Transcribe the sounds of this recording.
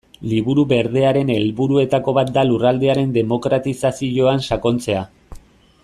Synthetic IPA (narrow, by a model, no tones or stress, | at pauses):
liβuɾuβe̞ɾð̞e̞aɾe̞ne̞lβuɾue̞t̪ako̞βat̪̚d̪alurald̪e̞aɾe̞nd̪e̞mo̞kɾat̪isasiʝo̞ansako̞nt͡se̞a